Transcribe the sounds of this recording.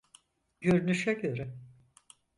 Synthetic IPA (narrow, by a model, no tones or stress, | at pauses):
ɟ̥ø̞ɾnyʃɛɟø̞ɾɛ